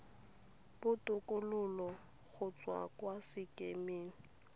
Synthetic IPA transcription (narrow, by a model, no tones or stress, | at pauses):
b̥ʊtʼʊkʼʊlʊlɔ | k͡xʰʊt͡sʼwa̰kʼwasɪkʼemeːŋ̩